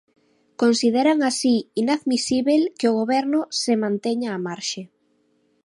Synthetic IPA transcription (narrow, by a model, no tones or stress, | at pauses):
konsiðeɾaŋasiinaðmisiβelkeoɣ̞oβɛɾnʊsemãnt̪eɲaːmaɾʃe